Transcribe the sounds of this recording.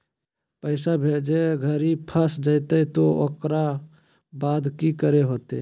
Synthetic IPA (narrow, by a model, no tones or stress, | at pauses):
pəɪsabʱed͡ʒeɡʱəɾipʰəsd͡ʒəɪt̪əit̪oo̰kɾa | baːd̪kikəɾeɦoːt̪ḛ